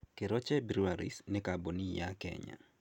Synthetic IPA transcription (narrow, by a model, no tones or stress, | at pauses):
kɪɾɔt͡ʃɛbiɾuaɾḭsnɛkabonijakɛ̰ɲa̰